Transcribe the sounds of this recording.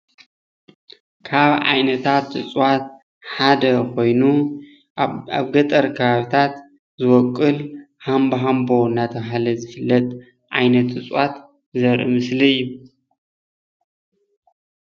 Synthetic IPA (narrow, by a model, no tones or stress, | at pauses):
kʰaβʕa̰jnɐt̪ʰat̪ɨsʼwat̪̚ | ħad̪ɐkʰo̞jnu | a̰βɡɐt̪ʼɐɾkʰɐβaβit̪ʰat̪ | zɨwɔkʼːɨl | hambɐɦambo̞ɨnːat̪ʰɐβɦalɐzɨfɨlːɐt̪ʼ | ʕajnɐt̪ɨt͡sʼwat̪ | zɐɾʔɨ̰mɨsliɨjːu